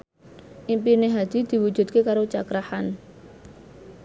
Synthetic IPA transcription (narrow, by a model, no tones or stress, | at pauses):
ʔimpineɦad̪̥i̤d̪̥i̤wu̥d͡ʒ̥ṳt̪̚kekaɾot͡ʃakɾahan